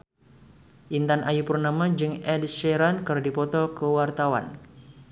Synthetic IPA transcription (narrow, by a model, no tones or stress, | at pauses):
ʔint̪anʔajupərnamad͡ʒɨŋɛdʃɛɾankɨrdipɔt̪ɔkəwart̪awa̰n